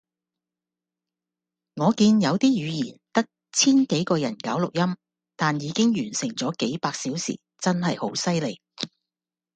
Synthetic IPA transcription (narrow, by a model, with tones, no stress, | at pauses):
ŋɔː˨˧kiː˧njɐ˨˧wt̪iː˥jyː˨˧jiː˨˩t̪ɐ˥k̚ | t͡sʰiː˥nke˨˥jkɔː˧jɐ˨˩nkaː˨˥wlʊ˨k̚jɐ˥m | t̪aː˨njiː˨˧kɪ˥ŋjyː˨˩nsɪ˨˩ŋt͡sɔː˨˥ke˨˥jpaː˧k̚siː˨˥wsḭː˨˩ | t͡sɐ˥nɦɐ˨jho˨˥wsɐ˥jle˨˩j